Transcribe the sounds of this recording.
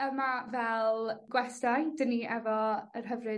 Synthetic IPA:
əmavɛlˠɡ̥wɛstajdəniʔɛvɔərɦəvrɨ

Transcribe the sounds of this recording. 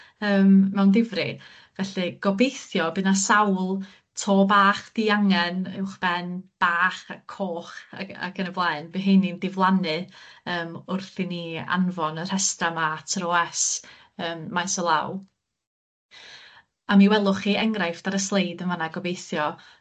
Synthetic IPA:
əːmmɛwndɪvrɨ | vɛɬɨɡ̥ɔbejθjɔbɨnasawlˠ | tʰoːbaːχd̥iaŋɛnɪ̰wχb̥ɛnb̥aːχakʰoːχa̰a̰kʰənəvlˠaɨnbɨɦejnindɪvlˠanɨəːmʊrθiniːa̰nvɔnər̥hɛstamaatʰɾɔɛs | əːmmajsɔlˠa̰w | amiwɛlˠʊχiɛŋrajfd̥aɾəslˠejdənvanaɡɔbejθjɔ

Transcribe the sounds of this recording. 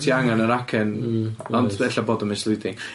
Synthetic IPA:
tʰiːaŋanəɾakʰɛnɔndɛɬaboːdɔmɪslˠʊjdɪŋ

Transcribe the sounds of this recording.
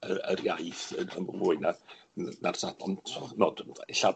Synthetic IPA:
əərjajθəənvuːɨnanarsabɔ̰ntʰnɔːdɪɬa

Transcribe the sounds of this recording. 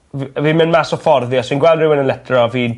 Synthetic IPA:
vvimɪnmasɔfɔrðiɔswinɡwɛlˠdrɪwənənlɛtʰrɔvi

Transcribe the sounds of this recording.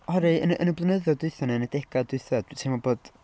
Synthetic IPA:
hɔɾiənə̰nəblˠənəðɔdʊɨθɔnɛnadɛɡ̥adʊɨθɔd̥tʰemɔboːd̥

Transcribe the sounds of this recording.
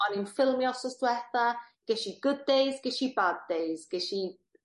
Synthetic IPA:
ɔninfɪlˠmjɔsɔsðwɛθaɡ̥ɛʃiɡʊd̚ːejzɡɛʃibad̚ejzɡ̥ɛʃi

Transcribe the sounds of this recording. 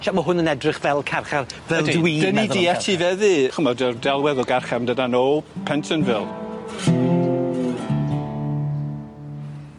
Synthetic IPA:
ʃaməɦʊnənɛdrɪχvɛlˠkʰarχarvɛlˠdwiːd̥ənidiɛtʰivɛðɨχəmɔdərdɛlˠwɛðɔɡarχɛmdədanoːpʰɛntʰənvɪlˠ

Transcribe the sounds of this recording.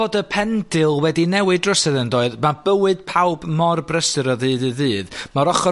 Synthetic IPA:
odəpʰɛndɪlˠwɛdinɛwɨdrɔsɛðəndɔɨðmabəwɨd̥̚pʰawbmɔrbrəsɨɾɔðɨːdɨðɨːðmaɾɔχɔ

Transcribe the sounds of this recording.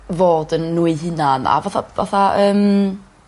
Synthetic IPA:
voːdənːuːɨɦɪnana̰vaθava̰θaʔəːm

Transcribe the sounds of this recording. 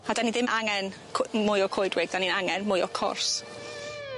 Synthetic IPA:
adaniðɪmʔaŋɛn | kʰmʊjɔkʰojdwɪɡdaninaŋɛnmʊjɔkʰɔ̰rs

